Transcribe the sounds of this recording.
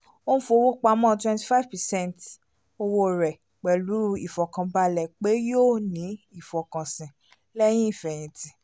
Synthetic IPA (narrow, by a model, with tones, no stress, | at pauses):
o˦nũ˦fo˧˨˧wo˦k͡pa˧˦mɔ̃˦˨twɛ̃˧nti˨fa˦˨vpɛ˨sɛ̃˦˨nt | o˧wo˧ɾɛ˨ | k͡pɛ˨lu˨˦ɾu˦˧i˨fɔ˨kã˨ba˧lɛ˨k͡pe˨˦joː˦˨nĩ˨˦i˦˨fɔ˨kã˨sĩ˨ | lɛ˦j̃ĩ˦i˦˨fɛ˨j̃ĩ˧˨tĩ˨˦